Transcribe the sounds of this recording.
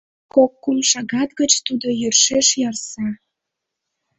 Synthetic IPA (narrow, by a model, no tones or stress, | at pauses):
kokːumʃɑɣɑt̪ɣət͡ɕt̪ud̪ojørʃeʃjɑrsɑ